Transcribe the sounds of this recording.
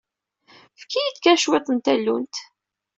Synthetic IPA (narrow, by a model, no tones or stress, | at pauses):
fkːijid̪kæʃwet̪ˤənt̪ælːunt̪